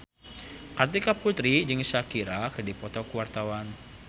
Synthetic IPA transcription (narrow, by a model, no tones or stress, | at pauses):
kart̪ikaput̪ɾid͡ʒɨŋsakiɾakədipɔt̪ɔkuwart̪awan